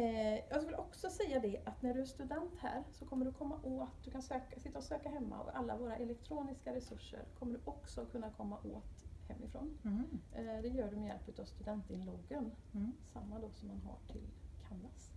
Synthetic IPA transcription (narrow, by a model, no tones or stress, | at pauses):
jɑːɡskvɪlʔɔksɔsɛjːad̪ɛʔat̪næɖɵæʂt̪ɵd̪ɛnt̪hæ̰ːɾsɔkʰɔmːəɖɵkʰɔmːaʔoːt̪̚d̪ɵkʰansøːkasɪt̪ːaɔsøːkaɦɛmːa̰ɔ̰kalːavoːɾaʔɛlɛk̚t̪ʰɾoːnɪskaɾɛsɵʂːə̰ɾkʰɔmːəɖɵʔɔksɔkʰɵnːakʰɔmːaʔoːt̪hɛmːɪfɾo̰ːn | d̪ɛjœːɖɵmɛjɛ̰lpʉ̟ːt̪avst̪ɵd̪ɛnt̪ɪnloːɡən | samːad̪ɔsɔmːanɦa̰ʈʰɪ̰lkʰanːas